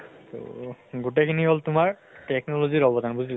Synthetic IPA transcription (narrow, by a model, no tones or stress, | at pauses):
t̪o̰ɡuʈ̬akʰiniɦolt̪umaɾ | ʈeknolod͡ʑiɾɔbod̪ʱanbud͡ʑil